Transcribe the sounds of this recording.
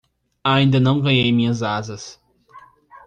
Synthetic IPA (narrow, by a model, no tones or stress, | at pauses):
aĩnd̪ɐnɐ̃w̃ɡɐjejmĩɲɐzazɐs